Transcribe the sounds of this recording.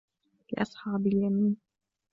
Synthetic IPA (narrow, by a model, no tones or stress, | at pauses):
lɪ̰ʔɑ̰sˤħɑːbɪljamiːn